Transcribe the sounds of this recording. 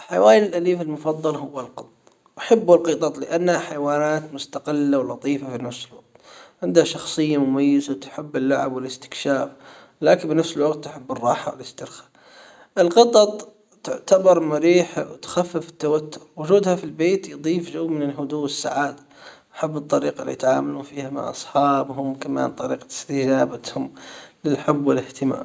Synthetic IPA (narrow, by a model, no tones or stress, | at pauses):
ħawaːjɪlʔaliːfɪlmʊfɑðˤːɑlɦʊwːalqɑt̪ˤɑtˤ | ʔaħɪbːɪlqɨt̪ˤɑt̪ˤlɪ̰ʔanːhaħajwaːnaːt̪mʊst̪aqɪlːawlɑt̪ˤiːfafinafsɪlwaɡ̪̚t̪ʕɪnd̪haʃɑxsˤɨjːamʊmajːɪzat̪ħɪbːɪlːaʕabwɪlɪst̪ɪ̥kʃaːf | laːkɪbɪnafsɪlwɑqt̪ːʊħɪbːɪrˤːɑːħawɪlɪst̪ɪɾxḁ | ʔɪlɣɑt̪ˤɑt̪ˤ | t̪ʊʕt̪abɑɾˤmaɾiːħawt̪xafːɪfɪ̥t̪ːawat̪ːʊɾwʊd͡ʒuːd̪hafilbeːt̪jd̪ˤiːfʒawːmɪnɪlɦʊd̪uːɪsːa̰ʕaːd̪a | ʔaħabːɨt̪ˤːɑɾiːqɑlḭt̪ʕaːmaluːfiːhamɪ̰ʕʔɑ̰sˤħɑːbɦʊmkama̰ːnt̪ˤɑɾiːqɑ̥ɪ̥st̪ɪd͡ʒaːbahʊmlɪlħɪbːwɪlɪht̪ɪma̰ːm